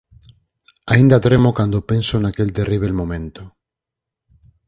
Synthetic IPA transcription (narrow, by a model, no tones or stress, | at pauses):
aĩnd̪at̪ɾemokand̪opensonakelt̪eriβ̞elmõmẽnt̪o